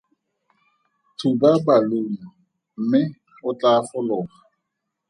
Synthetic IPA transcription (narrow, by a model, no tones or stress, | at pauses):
tʰubabalemɔ | m̩mɪ | ʊt͡ɬafʊlʊːχa